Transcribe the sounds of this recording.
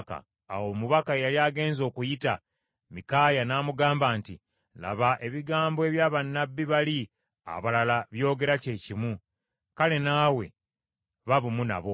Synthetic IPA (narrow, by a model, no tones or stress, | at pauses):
ka̰ː | woːmuβakajaliaːɡe̞ːnzo̞ːkujita | mikaːjanaːmuɡaːmbaːnti | la̰βaʔe̞βiɡaːmboe̞βjaːβanːabːiβali | a̰βalalaβjo̞ːɡe̞ɾace̞ːcimwu | kale̞naːwe̞̰ | βaβumuna̰βo̞